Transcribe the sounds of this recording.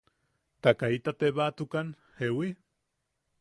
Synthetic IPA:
t̪akait̪at̪eβat̪ukan | hewi

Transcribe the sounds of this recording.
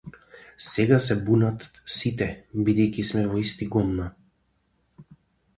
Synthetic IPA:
sɛɡasɛbunat̪sit̪ɛbid̪ɛjkʲismɛvɔist̪iɡɔmna

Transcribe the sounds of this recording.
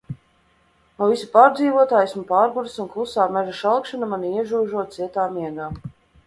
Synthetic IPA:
nɔvisu̥paːɾd̪ziːvuɔt̪aːjsumpaːɾɡuɾɨsunklˠusaːmɛʒaʃalˠkʃanamaniiɛʒuːʒuɔt̪̚siɛt̪aːmiɛɡaː

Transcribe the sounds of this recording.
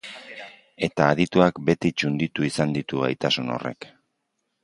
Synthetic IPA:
e̞t̪aːðit̪uakbe̞t̪it͡ʃund̪it̪uisand̪it̪uβa̰jt̪asuno̞̰re̞̰k

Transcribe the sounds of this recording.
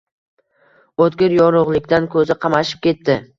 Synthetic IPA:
ot̪ɡʲɪɾjɒɾʊʁlˠɪkʲd̪ankʰɵzɪqʰɑmaʃɪ̥p̚kʲe̞t̪ːɪ

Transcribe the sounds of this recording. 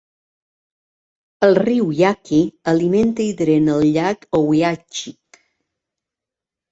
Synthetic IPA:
əlˠriwjakʰiəliment̪əiðɾenəlˠʎakowjat͡ʃik

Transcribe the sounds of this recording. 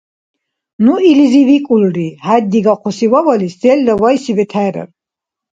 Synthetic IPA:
nuilizivikʼulɾihad̪ːiɡaqʰɔsiwavalisd̪ɛld̪avajsivɛt̪ʰaːɾɛ̰ɾ

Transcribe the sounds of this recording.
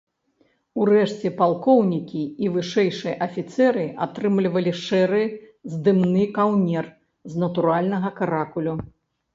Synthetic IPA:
uɾɛʂt͡sʲɛpalˠkɔwnʲikʲiivɨʂɛjʂɨjɐʔɐfʲit̪sɛɾɨat̪ɾɨmlʲivɐlʲiʂɛɾɨzd̪ɨmnɨkawnʲɛr | znɐt̪uɾalʲnɐɣɐkaɾakulʲu

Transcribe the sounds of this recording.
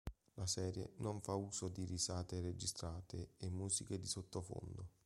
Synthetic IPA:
lasɛːɾjḛnoɱfauːzod̪irisaːt̪ered͡ʒist̪ɾaːt̪ʰɪːmːuːziked̪isot̪ːofo̰nd̪ʊ

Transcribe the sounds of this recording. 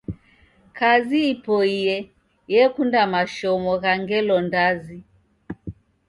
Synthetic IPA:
kaziːpɔijɛ | jɛkundamaʃɔmɔɣaŋɡɛlɔndazi

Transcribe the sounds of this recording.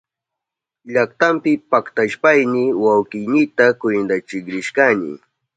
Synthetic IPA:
ʎakt̪ampɪpakt̪aʃpajnɪwawkɪjnɪt̪akwʊjnd̪at͡ʃɪkɾɪʃkanɪ̰

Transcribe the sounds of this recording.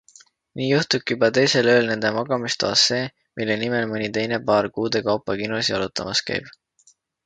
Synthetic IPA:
niːjuht̪uk̚ːijubɑt̪e̞jse̞lø̞ːlne̞nd̪̥e̞mɑɡɑmist̪oɑ̰ːse̞ː | mʔilːe̞nime̞lmɯnʲit̪e̞jne̞pɑːrkuːd̪̥e̞kɑwpːˑɑkinosiɑlut̪ːˑɑ̰mɑskæ̰jb̥

